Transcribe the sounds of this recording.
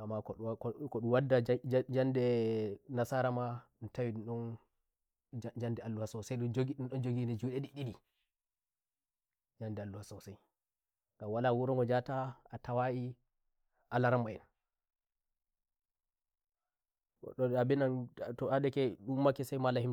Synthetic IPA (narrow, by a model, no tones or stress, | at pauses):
amːakɔkɔɗuwadːad͡ʒd͡ʒandɛnasaɾamaɗtawiuɗɔn | d͡ʒandɛalːuhasawsajɗund͡ʒoɡiɗunɗɔnd͡ʒoɡinɛd͡ʒuːɗɛɗiɗiɗi | d͡ʒandɛalːuhasawsaj | ɡamwalawuɾɔŋɡɔd͡ʒataatawaʔi | ʔalaɾamːajɛ̰n | ɔ̰ɗɔabɛnantɔaɗɛkɛɗumːakɛsajmalahim